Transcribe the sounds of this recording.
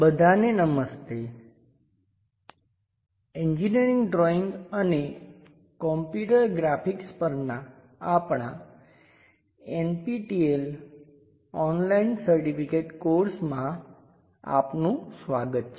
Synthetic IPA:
bəd̪ʱanenəməst̪e | eɲd͡ʒiniəɾĩŋɡɖɾɔiŋɡəne | kɔmpjuʈəɾɡɾapikspəɾna | apɳã | enpiʈiel | ɔnlainsəɾʈipʰikeʈkoɾsmã | a̰pnũsʋaɡət̪̚t͡ʃʰ

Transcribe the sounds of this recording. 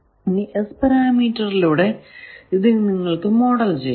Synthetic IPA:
iniʔespɐɾaːmiːtːɐriluːɽe̞iðɨniŋːɐɭkɨmo̞ːɽɐlt͡ɕej

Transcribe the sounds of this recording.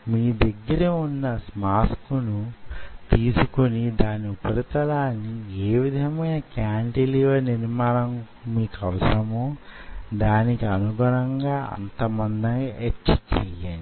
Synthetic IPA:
miːd̪ɐɡːɐɾeunːɐsmaːskunut̪iːsukonid̪aːnːiupɐɾit̪ɐlaːnːieːʋid̪ʱɐmɐjnɐkjaːɳʈiliːʋɐniɾmaːnɐm | miːkɐʋɐsɐmoːd̪aːnikiɐnuɡɐɾɐŋɡaːɐ̰nt̪ɐmɐnd̪ɐet͡ʃːt͡ʃɛjaɳi

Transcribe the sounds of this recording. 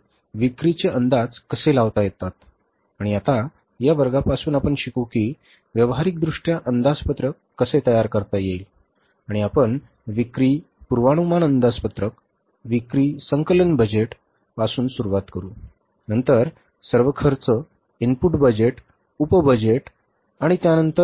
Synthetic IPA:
ʋikɾit͡ɕeʔənd̪ad͡zkəselaʋt̪ajet̪at̪ | aɽ̃iat̪a | jaʋəɾɡapasuːnapəɳɕikukiː | ʋjəʋɦaɾik̚d̪ɾuʂʈjaʔənd̪ad͡zpət̪ɾəkːəset̪əjaɾkəɾt̪ajeil | aɽ̃iapəɳ | ʋikɾiː | puɾʋaɽ̃umanənd̪ad͡zpət̪ɾək | ʋikɾiːsəŋkələnbəd͡ʑeʈ | pasuːnsuɾuʋat̪kəɾuː | nənt̪əɾ | səɾʋəkʰəɾt͡sə | inpuʈbəd͡ʑeʈ | upəbəd͡ʑeʈ | aɽ̃it̪janənt̪əɾ

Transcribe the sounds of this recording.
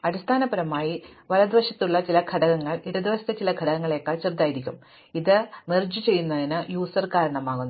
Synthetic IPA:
ɐɾist̪ʰaːnɐbɐɾɐmaːjiʋɐlɐd̪ʋɐɕjɐt̪ːuɭːɐt͡ɕilɐɡʱɐɽɐɣɐŋːɐɭiɽɐd̪iʋɐsɐt̪et͡ɕilɐɡʱɐɽɐɣɐŋːɐɭekːaɭt͡ɕird̪aːjiɾikʲːum | iðɨmerd͡ʑɨt͡ɕe̞jːunːɐðinɨjuːsɐrkaːɾɐɳɐmaːɣunːu

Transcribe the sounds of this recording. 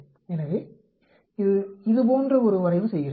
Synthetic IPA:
ɛnːɐʋeː | ɪðɯɪðɯp̬oːndrɐɔɾɯʋɐɾɐɪʋɯsɛjːɪɾ

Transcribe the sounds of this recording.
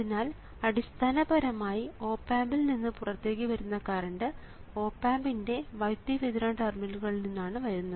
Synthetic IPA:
ɐðinːaːl | ɐɽist̪ʰaːnɐbɐɾɐmaːjio̞ːpːaːmbilninːɨpurɐrt̪e̞ːk̬ːiʋɐɾunːɐkaːrɐɳɖɨ | o̞ːpːaːmbinde̞ʋɐjt̪jiʋiðiɾaːɳʈɐrminluɣɐɭilninːaːɳɨʋɐɾunːɐðɨ

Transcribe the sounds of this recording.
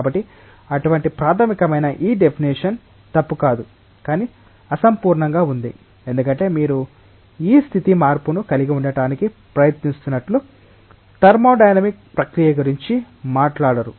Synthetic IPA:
bɐʈːi | ɐʈuʋɐɳʈipɾaːt̪ʰɐmikɐmɐjnɐʔiːɖe̞pʰiniʂɐn | t̪ɐpːukaːd̪u | kaːni | ɐsɐmpuːɾɳɐŋɡaːund̪ḭ | e̞nd̪ukɐɳʈe̞ːmiːɾu | iːst̪ʰit̪imaːɾpunukɐliɡiuɳɖɐʈaːniki | pɾɐjɐt̪nist̪unːɐʈlu | t̪ɐɾmo̞ːɖɐjnɐmik̚pɾɐkɾijɐɡuɾiɲt͡ʃi | maːʈlaːɽɐɾu

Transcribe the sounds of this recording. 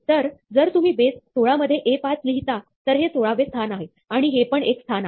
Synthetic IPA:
t̪əɾd͡zəɾt̪um̤iːbest̪ʰoɭaməd̪ʱjeʔepat͡sliɦit̪at̪əɾɦet̪ʰoɭaʋest̪ʰanaɦe | aɽ̃iɦepəɳekst̪ʰana

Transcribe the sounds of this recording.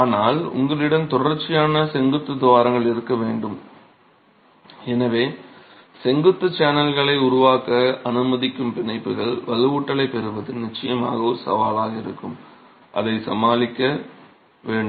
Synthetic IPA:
aːnaːlʊ̰ŋɡɐɭɪɽɐmt̪ʊrɐɾt͡ʃːɪjaːnɐsɛŋɡɯt̪ːɯd̪ɪʋaːɾɐŋɡɐɭɪɾɯkːɐʋeːɳɖɯm | ɛnɐʋeː | sɛŋɡɯt̪ːɯt͡ʃaːnɐlɣɐɭɐɪʊɾʊʋaːkɐɐnɯmɐðɪkːɯmpɪnɐɪpːɯɣɐɭʋɐlɯʋuːʈːɐlɐɪpːɛɾɯʋɐðɯnɪt͡ʃːɐjɐma̰ːɣɐɔɾɯsɐ̰ʋaːlaːɣɐɪɾɯkːɯm | ʔɐ̰ðɐɪsɐ̰maːlɪkːɐ | ʋeːɳɖ

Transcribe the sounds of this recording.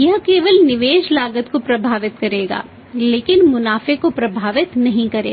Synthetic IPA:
jɐɦkeːʋəlnɪʋeːʃlaːɡət̪kopɾɐbʱaːʋɪt̪kɐɾeːɡa̰ː | leːkɪnmʊnaːfekopɾɐbʱaːʋɪt̪nɐɦĩkɐɾḛː

